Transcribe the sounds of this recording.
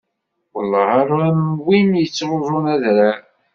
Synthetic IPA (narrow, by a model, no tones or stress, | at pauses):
wəlːɑaɾˤæmwinjət͡sːɾʒʊnæðɾa